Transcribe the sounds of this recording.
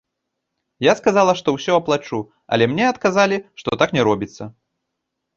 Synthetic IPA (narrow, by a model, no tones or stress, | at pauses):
jaskazalˠɐʂt̪ɔwsʲɔɐplˠat͡ʂu | ɐ̰lʲɛmnʲɛɐt̪kazalʲiʂt̪ɔt̪aknʲɛɾɔbʲit̪sːɐ